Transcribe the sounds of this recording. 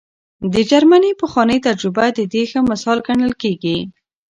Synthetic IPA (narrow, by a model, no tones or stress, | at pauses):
d̪əd͡ʒaɾmanipəxwɑnəjt̪ad͡ʒɾʊbad̪əd̪exəmasɑlɡaɳəlkeɡi